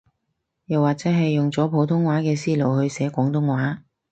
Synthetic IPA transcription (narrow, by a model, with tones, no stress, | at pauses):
jɐ˨waː˨k̚t͡sɛː˨˥ɦɐ˨jːʊ˨ŋt͡sɔː˨˥pʰo˨˧˥wt̪ʰʊ˥ŋwaː˨˥kɛː˧siː˥lo˨˩wɦɵ˧ɥsɛː˨˥kʷɔː˨˥ŋt̪ʊ˥ŋwaː˨˥